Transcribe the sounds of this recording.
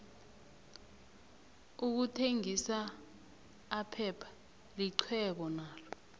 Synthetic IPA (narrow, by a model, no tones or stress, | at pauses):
uk̬utʰeŋisa | pʰɛpʰḁ | liǀʰwɛɓɔnaːlɔ